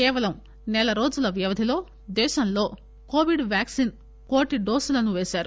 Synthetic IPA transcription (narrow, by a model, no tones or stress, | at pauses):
kɛːʋɐlɐm | nɛlɐɾo̞ːd͡ʒulɐʋjɐʋɐd̪ʱilo̞ː | d̪ɛːʃɐmlo̞ː | ko̞ːʋiɖʋjaːksin | koːʈiɖo̞ːsulɐnuʋeːʃaːɾu